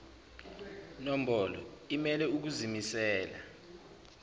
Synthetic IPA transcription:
nom̩bɔlɔ̰imɛlɛuk̬uzimisɛːla

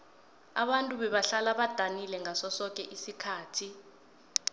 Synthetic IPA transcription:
a̰ɓantʼuɓɛɓaɬalaɓad̥ʱanilɛŋʱasɔsɔk̬ʼɛʔisikʰaːtʰi

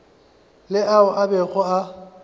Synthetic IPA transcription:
lɪʔaʊʔabɛɣʰɔa

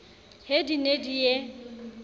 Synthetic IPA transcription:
hedinedije

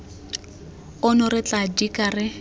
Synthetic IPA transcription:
ʊnʊɾɪt͡ɬʼadikʼarɪ

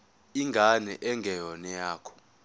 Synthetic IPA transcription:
iŋɡʱanɛʔɛŋɡʱɛjɔnɛjaːkʰɔ̥

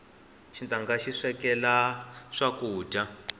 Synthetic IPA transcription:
ʃintaŋɡaʃiʂɛkɛlaʂakuːda

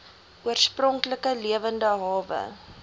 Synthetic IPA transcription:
ʔuərsprɔŋkləkəliəvəndəɦɑːvə̰

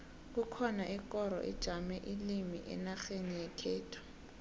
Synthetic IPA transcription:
k̬ʼʊkʰɔnaʔɪkʼɔɾɔ̰ʔɪ̰d̥ʒ̥ʱamɛʔɪlimiʔɪ̰naχenijɛkʰɛːtʰɔ̥

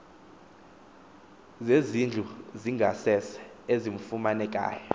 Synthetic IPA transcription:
zezind͡ɮʱuziŋɡʱasɛsɛ̥ | ezim̩fumanɛk̬ʼa̰ːjɔ

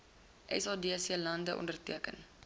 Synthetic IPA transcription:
ʔɛ̰sɑːdiːsiːlɐndəʔɔ̰ndərtiəkə̰n

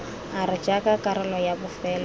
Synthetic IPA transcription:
aɾɪd͡ʒakakʼaɾɪlɔjabʊfɛːla

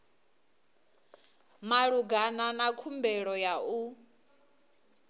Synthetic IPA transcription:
maɺuɡananakʰumbɛɺɔjau

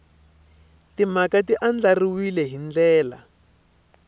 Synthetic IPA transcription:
timakatiʔand͡ɮariwilɛɦind͡ɮɛːla̰

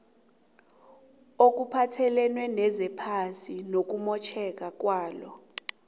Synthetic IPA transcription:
ok̬upʰatʰɛlɛnwɛnɛzɛpʰasinok̬umɔt͡ʃʰɛk̬ak̬waːlɔ

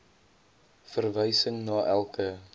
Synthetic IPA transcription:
fərvəjsəŋnɑːʔælˠkə

